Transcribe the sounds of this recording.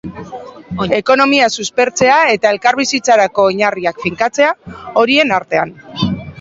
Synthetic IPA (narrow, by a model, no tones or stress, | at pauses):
e̞ko̞no̞miasuspe̞ɾt͡se̞ae̞t̪ae̞lkaɾβisit͡saɾako̞iɲariakfiŋkat͡se̞ao̞ɾie̞naɾt̪e̞an